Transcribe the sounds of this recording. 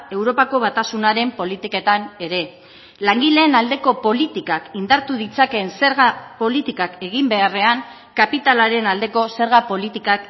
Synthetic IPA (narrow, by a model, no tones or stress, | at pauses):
e̞wɾo̞pako̞βat̪asunaɾe̞mpo̞lit̪ike̞t̪ane̞ɾe̞ | laŋɡile̞ːnald̪e̞ko̞po̞lit̪ikakind̪aɾt̪uðit͡sake̞nse̞ɾɣapo̞lit̪ikake̞ɣ̞imbe̞are̞aŋ | kapit̪alaɾe̞nald̪e̞ko̞se̞ɾɣapo̞lit̪ikak